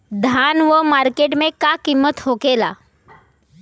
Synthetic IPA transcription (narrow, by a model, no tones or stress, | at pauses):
d̪ʱanʋəmaɾkeʈmẽkakimːət̪hɦokela̰